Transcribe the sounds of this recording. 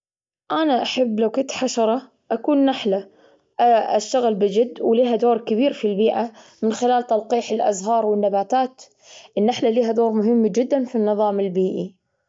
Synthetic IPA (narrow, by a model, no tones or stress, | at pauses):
ʔanaʔaħabːlawkʊnt̪ħaʃɑɾˤɑ | ʔakuːnːaħla | aʃːaɣlbɪd͡ʒɪd̪ːwliːɦad̪oːɾˤkɪβiːɾfilbiːʔamɪnxɪlaːlt̪ɑlqiːħɪlʔa̰zɦɑːɾˤwɪnːabaːt̪aːt̪ | ʔɪnːaħlaliːɦad̪oːɾˤmʊɦɪmːad͡ʒɪd̪ːanfinːɨðˤɑːmɪlbiːʔi